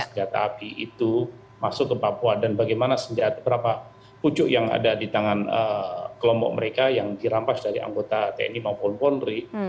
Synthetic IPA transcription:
əd͡ʒat̪a̰ːpiʔit̪u | masʊkːəpapuadanbaɡajmanasəɲd͡ʒat̪abəɾapa | put͡ʃʊʔjaŋa̰dadit̪aŋanəkəlɔmpɔ̰k̚məɾekajaŋdiɾampasdaɾia̰ŋɡot̪at̪ɛ̰nimapɔlpɔnri

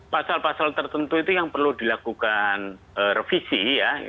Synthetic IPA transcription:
pasalpasalt̪ərt̪ənt̪uit̪ujaŋpərlud̪ilakukan | ərəfisija

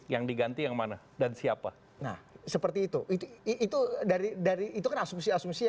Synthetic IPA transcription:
jaŋdiɡant̪ijaŋmana | dansiapa | na̰hsəpərt̪iːt̪uʔit̪uːt̪udaɾidaɾiːt̪ukanasumsiasumsia

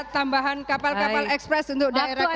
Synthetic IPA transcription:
t̪ambaɦankapalkaalɛkspɾɛsunt̪ʊk̚daeɾa

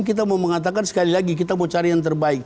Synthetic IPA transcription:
k̬it̪̬amoməŋat̪̬akansə̥kalilaɡik̬it̪̬amot͡ʃaɾajaŋt̪ərbaik̚

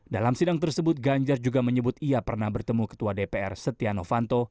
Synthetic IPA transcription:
dalamsidaŋt̪ərsəbʊt̪̚ɡaɲd͡ʒard͡ʒuɡaməɲəbʊt̪iapərnabərt̪əmukə̥t̪uadepeɛ̰rsət̪ianofant̪o

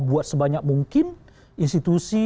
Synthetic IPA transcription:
buat̪̚səbaɲak̚muŋkɪn | inst̪it̪usi

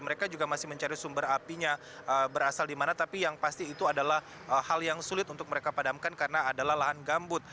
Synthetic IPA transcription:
məɾekad͡ʒuɡamasɪhməɲt͡ʃaɾisumbəɾapiɲa | əbəɾasaldimanat̪apijaŋpast̪iːt̪uadalah | əhaljaŋsulɪt̪unt̪ʊk̚məɾekapadamkankaɾənaːdalahlaɦanɡambʊt̪̚

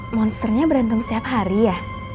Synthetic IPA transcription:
mɔnst̪ərɲabəɾant̪̬umsə̥t̪iapɦaɾijah

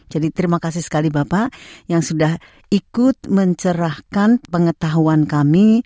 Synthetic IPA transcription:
d͡ʒadit̪ɾimakasisə̥kalibapajaŋsudah | ikʊt̪̚məɲt͡ʃəɾahkanpəŋət̪aɦuankami

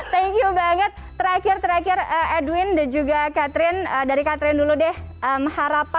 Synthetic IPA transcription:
t̪ɛŋkjubaŋət̪̚ːəɾakɪrt̪əɾakɪrəɛduwɪndand͡ʒuɡakat̪ɾɪnədaɾikat̪ɾɪnduludɛhəməhaɾapa

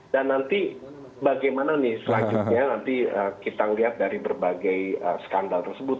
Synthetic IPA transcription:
danːant̪i | baɡajmananɪsəlaɲd͡ʒʊt̪̚ɲanant̪iəkit̪aŋəliɦat̪̚daɾibərbaɡajəsə̥kandalt̪ərsəbʊt̪̚

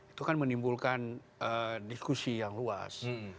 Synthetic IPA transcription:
i̥t̪ukanmənimbulkan | ədiskusijaŋlua̰s

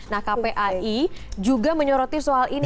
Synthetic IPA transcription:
nahkapeʔaʔid͡ʒuɡaməɲɔɾɔt̪isoalin

